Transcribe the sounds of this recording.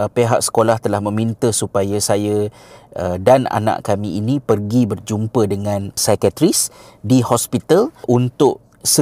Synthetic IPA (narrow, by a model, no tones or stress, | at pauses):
peɦaʔsə̥kolaht̪əlahmə̃mint̪əsupajasajaədana̰nã̰ʔkamĩinĩpərɡibərd͡ʒumpədəŋãnsakat̪ɾis | dihɔspit̪alʔunt̪ʊʔ | sə